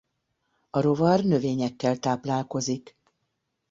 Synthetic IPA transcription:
ɒɾo̞vɒrnø̞veːɲɛkːɛlt̪aːplaːlko̞zik

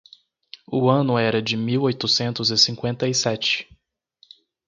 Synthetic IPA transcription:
ʊɐ̃nʊɛɾɐd͡ʒɪmiwojt̪ʊsẽnt̪ʊzɪsĩŋkwẽnt̪ɐisɛt͡ʃɪ̥

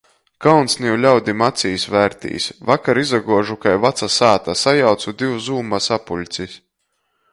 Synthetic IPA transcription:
kawnsnʲiwlʲawd̪imat̪sijsvæːɾt̪ʲḭːsʲvakaɾizaɡuɔʒukajvat̪sasaːt̪asajawt̪sud̪iwzuːmasapulʲt̪sisʲ

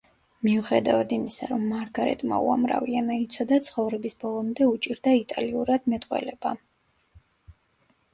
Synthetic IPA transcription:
miuχɛd̪avad̪imisa̰ɾɔmːaɾɡaɾɛ̰t̪ʼma̰uamɾa̰vianait̪sʰɔd̪at̪sʰχɔvɾɛbisbɔlˠɔmd̪ɛut͡ʃʼiɾd̪ait̪ʼaliuɾad̪̥mɛt̪ʼqʼwɛ̰lɛba

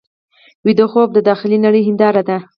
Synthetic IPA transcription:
wid̪oxob̚d̪əd̪ɑxɪlinaɽəjɦɪnd̪ɑɾad̪a

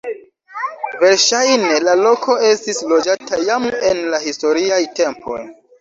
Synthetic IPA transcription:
ve̞ɾʃajne̞lalo̞kʰo̞e̞stislo̞d͡ʒatʰajame̞nlaɦisto̞ɾiajte̞mpʰo̞̰j

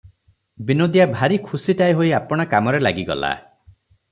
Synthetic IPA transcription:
binod̪jabʱaɾikʰusiʈajɦojapɔɽ̃ɔkamɔɾelaɡiɡɔ̰la̰

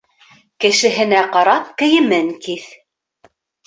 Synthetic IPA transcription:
kɘ̆ʃɘ̆ɦɘ̆næqɑɾɑp̚kɘ̆jɘ̆mɘŋkiθ

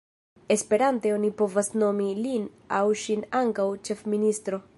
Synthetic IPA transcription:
e̞spe̞ɾante̞o̞nipo̞vasno̞milin | awʃinaŋkawt͡ʃe̞fministɾo̞

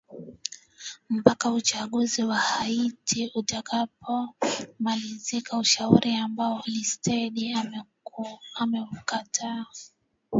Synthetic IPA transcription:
m̩pakaut͡ʃaɠuziwahaitʰiutakapʰɔmalizikauʃauɾʔiambaɔlistɛɗia | amɛukatʰa

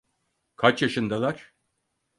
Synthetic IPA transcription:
kʰat͡ʃjaʃɯnd̪alˠaɾ̥

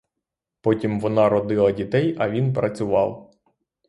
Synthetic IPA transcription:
pɔtʲimʋɔnɑɾɔd̪ɪlˠɐdʲit̪ɛjɐʋʲinpɾɐt͡sʲʊʋɑ̰w

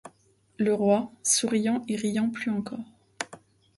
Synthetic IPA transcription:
ləʁwasuʁijɑ̃eʁijɑ̃plyɑ̃kɔːʁ

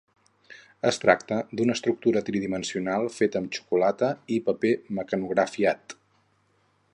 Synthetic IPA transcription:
əst̪ɾa̰kt̪əd̪unəst̪ɾuk̚t̪uɾət̪ɾiðimənsiunalˠfet̪əmt͡ʃu̥kulat̪əipəpeməkənuɣɾəfiat̪

